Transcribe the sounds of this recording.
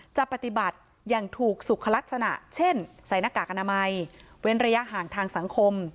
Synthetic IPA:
t͡ɕa˨˩pa˨˧˩t̪i˨˩ba˨˩t̪̚ | jaː˨˩ŋt̪ʰuː˨˩k̚su˨˩kʰːa˧la˦˥k̚sa˧na̰˨˩ʔt͡ɕʰe˥˩nsa˨˩˦jna˦˧˥kaː˨˩kʔa˧naː˧ma˧jwe˦˥nɾa˧ja˦˥ʔɦaː˨˩ŋt̪ʰaː˧ŋsa˩˦ŋkʰo˧m

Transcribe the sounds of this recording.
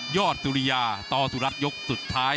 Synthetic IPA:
jɔː˥˩t̪̚suː˧ɾi˧jaː˧t̪ɔː˧suː˨˩˦ɾa˦˥t̪̚jo˦˥k̚su˨˩t̪ʰːaː˦˥

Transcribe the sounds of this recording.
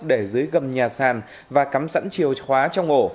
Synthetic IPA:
ɗe˧˩zɨ˨˦jɣə˨˩mɲaː˨˩saː˨˩n | vaː˨˩kaː˨˦msə̰˧˥nt͡ɕi˨˩əwhwaː˨˦t͡ɕɔ˧wŋ͡mʔo˧˩

